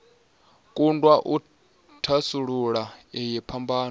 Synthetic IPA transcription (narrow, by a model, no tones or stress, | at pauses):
kʼundʼwaʔu | tʰasuɺuɺaɛjɛpʰambaːn